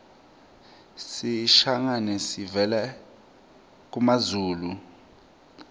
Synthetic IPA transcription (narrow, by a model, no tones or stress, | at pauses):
siʃaŋanɛsivɛlɛ | k̬umazuːlu